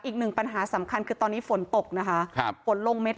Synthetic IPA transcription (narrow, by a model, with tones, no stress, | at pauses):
ʔiː˨˩k̚nɯ˨˩ŋpa˧nɦaː˩˦sa˩˦mkʰa˧nkʰɯː˧t̪ɔː˧nːiː˦˥fo˩˦nt̪o˨˩k̚na˦˥kʰa˦˥˧fo˨˩˦nlo˧ŋme˦˥t̪